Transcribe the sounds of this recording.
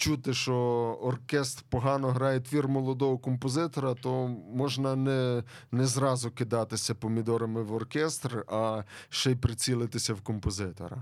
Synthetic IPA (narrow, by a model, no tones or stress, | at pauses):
t͡ʃut̪ɪʃɔɔrkʲɛst̪rpɔɦɑnɔɦɾɑjet̪ʲfʲirmɔlˠɔd̪ɔɦɔkɔmpɔzɪt̪ɔɾɐt̪ɔmɔʒnɐnɛ | nɛzɾɑzʊkɪd̪ɑt̪ɪsʲɐpɔmʲid̪ɔɾɐmɪwɔrkʲɛst̪rɐʃɛjpɾɪt͡sʲilˠɪt̪ɪsʲɐwkɔmpɔzɪt̪ɔ̰ɾɐ̰